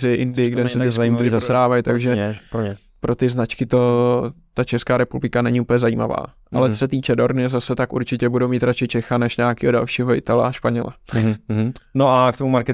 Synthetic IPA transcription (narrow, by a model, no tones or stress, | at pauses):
zɪʔɪndɪɪɡdɛsɛt̪ɪsimsɾaːvajt̪aɡʒɛɲ | pɾʔot̪ɪznat͡ʃkɪt̪ot̪at͡ʃɛskaːɾɛpublɪkanɛɲiuːpl̩ɲɛzajḭːma̰va̰ːʔalɛt͡sosɛt̪iːt͡ʃɛdo̞ɾnɪɛzasɛt̪akʔṵɾt͡ʃɪcɛbudowmiːt̪ɾat͡ʃɪt͡ʃɛxanɛʃɲaːakiːɦoda̰lʃiːɦoʔɪ̰t̪alɛ̰aʃpaɲɛlɛ̰ | noakt̪omumaɾkɛ